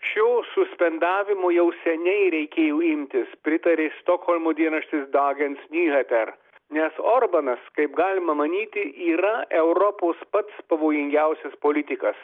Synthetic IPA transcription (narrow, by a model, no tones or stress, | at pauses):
ʃʲoːsʊsʲpʲɛnd̪ɑːʋʲɪmoːjɛʊsʲɛnʲɛɪɾʲɛɪkʲeːjoːɪmʲt̪ʲɪspʲɾʲɪt̪ɐɾʲeːst̪oːkhɔlʲmoːd̪ʲiɛnɐʃʲt̪ʲɪsd̪ɑːɡʲɛnsnʲuːhʲɛt̪ʲɛɾ | nʲɛsoːɾbɐnɐskɐɪpɡɑːlʲɪmɐmɐnʲiːt̪ʲɪʔiːɾɐɛʊɾɔpoːspɐt̪spɐʋoːjɪŋʲɡʲɛʊsʲɛspoːlʲɪt̪ʲɪkɐs